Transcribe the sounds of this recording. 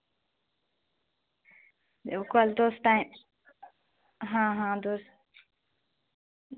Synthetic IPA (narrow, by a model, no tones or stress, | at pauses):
d̪eukəld̪osʈãɪm | ɦãɦãd̪os